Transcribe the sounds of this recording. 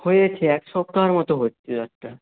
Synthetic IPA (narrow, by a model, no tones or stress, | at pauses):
hojet͡ɕʰeɛkʃɔp̚t̪aɦaɾmɔt̪oɦott͡ɕʰed̪ak̚ʈ̪a